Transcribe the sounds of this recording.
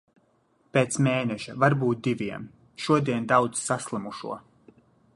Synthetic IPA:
peːt̪smeːnɛʃavaɾbuːt̪̚d̪ivʲiɛm | ʃuɔd̪iɛnd̪awd̪ssaslˠamuʃṵɔ

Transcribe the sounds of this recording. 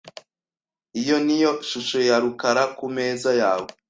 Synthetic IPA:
ijo̞nijo̞ʃuʃojaɾukaɾakumeːzajaːwo

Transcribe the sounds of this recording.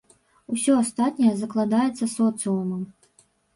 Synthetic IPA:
usʲɔast̪at̪ʲnʲɐjɛzɐklˠad̪ajɛt̪sːɐsɔt̪sɨumɐm

